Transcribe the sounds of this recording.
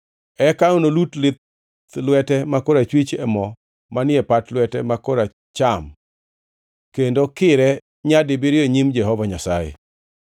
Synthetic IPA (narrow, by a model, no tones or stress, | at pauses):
ɛkaonolutlɪt̪ | lwɛtɛmakoɾat͡ʃwit͡ʃɛmɔ | manɪɛpatlwɛtɛmakoɾa | t͡ʃam | kendokɪɾɛ | ɲadɪbɪɾɪoɲimd͡ʒɛɦɔvaɲasajḛ